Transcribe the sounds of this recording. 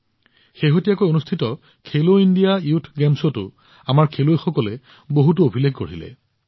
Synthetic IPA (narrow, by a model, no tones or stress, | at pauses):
xeɦotijakojonustʰitɔ | kʰeloindijaiutʰɡɛmsotʊ̰ | amaɹkʰelojxɔkɔlɛ | boɦut̬uobʱileɡkoɹilɛ̰